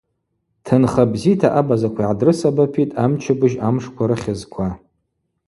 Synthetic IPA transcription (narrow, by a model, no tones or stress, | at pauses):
tʰɨnχabzitʰaʔabazakʷʰaiʕadrɨsabapʰitʼamt͡ʃʰɪbɨʒamʂkʷʰaɾɨχʲɪzkʷʰa